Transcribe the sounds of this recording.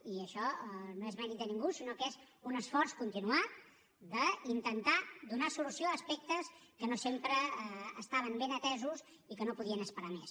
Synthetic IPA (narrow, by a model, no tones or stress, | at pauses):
iəʃɔnoezmɛɾit̪̚d̪ənĩŋɡusinokez | unəsfɔrskunt̪inua | ðəint̪ənt̪ad̪unasulusioəːspɛk̚t̪əskənosempɾəəst̪aβ̞əmbenət̪ɛzus | ikənopuðiənəspəɾames